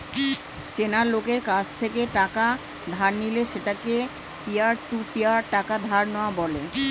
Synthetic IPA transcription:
t͡ɕenaɾlokeɾkat͡ɕʰt̪ʰekeʈaka | d̪ʱaɾnileʃeʈake | piaɾʈuʈiaɾʈakad̪ʱaɾnɔabɔle

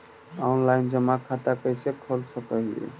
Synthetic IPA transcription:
ɔnlaind͡ʒəmakʰat̪akəjsekʰəlsəkəɦiḛ

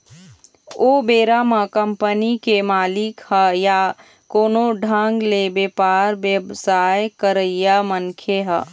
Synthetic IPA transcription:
obeːɾamakəmpənikemaːlɪkhəja | koːnoɖʱəŋɡlebepaːɾʋjəbsaːjkəɾəijamənkʰeɦə

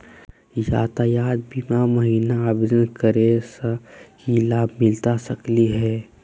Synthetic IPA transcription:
jaːt̪ajaːd̪̚bimaməɦiːnaːbd͡ʒənkəɾesakilaːbmɪlt̪asəkliɦɛː

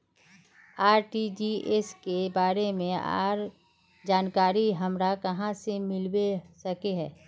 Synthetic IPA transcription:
aːɾʈid͡ʒiʔeskebaːɾemẽa̰ːɾ | d͡ʒaːnkaːɾiɦɐmɾakɐɦãsemɪlwesɐkeɦɛː

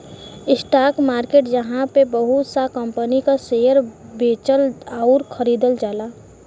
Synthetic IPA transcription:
ɪsʈaːkmaːɾkeːʈd͡ʒəɦãpebəɦut̪sakəmpənikasejəɾbeːt͡ʃəlaʊɾkʰəɾiːd̪əld͡ʒaːlaː

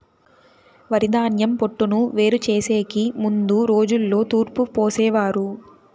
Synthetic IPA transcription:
ʋɐɾid̪aːnjɐmpoʈːunuʋe̞ːɾut͡ʃe̞ːseːkimund̪uɾo̞ːd͡ʒulːo̞ːt̪uːɾpupoːsɛːʋaːɾu

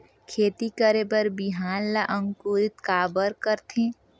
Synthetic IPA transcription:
kʰeːt̪ikəɾebəɾbiɦaːnlaʔə̃ŋkuːɾɪt̪kaːbəɾkəɾt̪ẽː

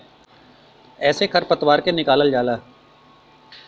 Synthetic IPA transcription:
ɛːsekʰɐɾpət̪waːɾkenɪkaːləld͡ʒaːlaː

